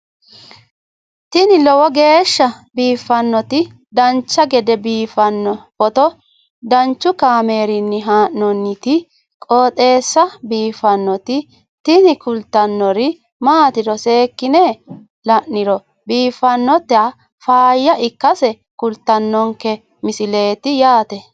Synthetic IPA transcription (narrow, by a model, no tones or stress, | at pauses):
t̪ɪnɪlɔwɔɡe̞ːʃːɐbiːfːɐnːɔt̪ɪ | d̪ɐnt͡ʃːɐɡɛd̪ɛbiːfɐnːɔpɔt̪ɔ | d̪ɐnt͡ʃːʊkaːme̞ːɾɪnːɪɦaːʔnɔnːɪt̪ɪ | kʼoːt̪ʼe̞ːsːɐbiːfɐnːɔt̪ɪ | t̪ɪnɪkʊlt̪ːɐnːɔɾɪ | maːt̪ɪd̪ɔse̞ːkːɪne | lɐʔnɪɾɔ | biːfːɐnːɔt̪ɛɐ | faːjːɐɪkːɐsɛ | kʊlt̪ːɐnːɔŋkɛ | mɪsɪle̞ːt̪ɪjaːt̪ɛ